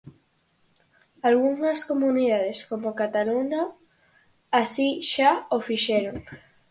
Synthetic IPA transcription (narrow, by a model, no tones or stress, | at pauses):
alɣuŋɐskomuniðaðeskomokat̪aluɲaː | siʃaofiʃeɾoŋ